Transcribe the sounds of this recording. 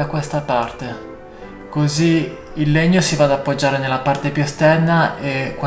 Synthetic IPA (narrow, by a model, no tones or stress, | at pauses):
akwest̪apart̪e | koziː | lːeɲːosivad̪apːod͡ʒːaːɾenelːapart̪epjust̪ɛnːaekː